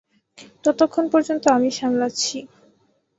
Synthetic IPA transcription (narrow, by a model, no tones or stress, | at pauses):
t̪ɔt̪okʰːonpɔɾd͡ʑont̪oamiʃamlaɕʰi